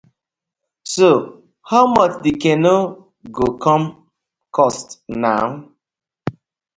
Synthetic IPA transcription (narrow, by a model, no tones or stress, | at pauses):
so | haʊmʌt͡ʃdikeno | ɡokʰɔm | kɔstna̰ʊ